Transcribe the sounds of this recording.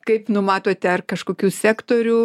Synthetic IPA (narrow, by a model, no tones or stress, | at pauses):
kɐɪpnʊmɑːt̪oːt̪ʲɐrkɐʃkoːkʲuːsʲæːkt̪oːɾʲuː